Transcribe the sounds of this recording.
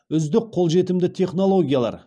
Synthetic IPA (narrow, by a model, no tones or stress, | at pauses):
ʏzd̪ɪk̚qʰːo̞lˠʒe̞t̪ɪmd̪ɪt̪ʰe̞χno̞lˠo̞ɡʲijalˠɑ̰ɾ